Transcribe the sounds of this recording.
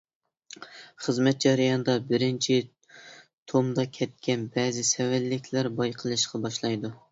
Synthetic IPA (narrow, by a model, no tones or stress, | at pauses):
χəzmɛt̪̚d͡ʒɑɾjɑnɨd̪ɑbɪɾɪnt͡ʃʰi | t̪ʰomd̪ɑkʲʰɛt̪̚kʲɛnbɛːzɪsɛwælːɪkʲʰlæɾbɑjqʰəlˠɨʃqʰɑbɑʃlˠɑjd̪u